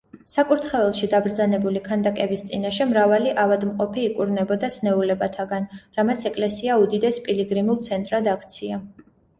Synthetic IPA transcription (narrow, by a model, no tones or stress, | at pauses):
sakʼuɾt̪ʰχɛvɛlˠʃid̪abɾd̪zanɛbulikʰand̪akʼɛbist̪sʼinaʃɛmɾavaliʔavad̪mqʼɔpʰiːkʼuɾnɛbɔd̪asnɛulɛbat̪ʰaɡanɾamat̪sʰɛkʼlɛsiaud̪id̪ɛspʼiliɡɾimulˠt̪sʰɛnt̪ʼɾad̪akʰt̪sʰia